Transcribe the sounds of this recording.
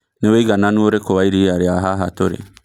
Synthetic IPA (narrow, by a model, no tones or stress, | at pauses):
neweɡananuoɾekowaiɾiaɾeaɦaɦatoɾḛ